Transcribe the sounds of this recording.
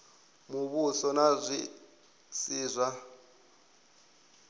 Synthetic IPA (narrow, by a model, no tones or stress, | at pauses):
muβusɔnazʷi | t͡sʼiːzʷa